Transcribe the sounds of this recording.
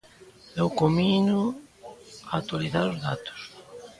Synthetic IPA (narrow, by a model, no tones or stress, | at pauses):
dewkominʊ | aat̪waliθaɾozðat̪ʊ̥s